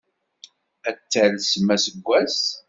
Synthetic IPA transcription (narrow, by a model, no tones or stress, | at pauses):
æt͡s̪ːælsmːæsəɡʷːæs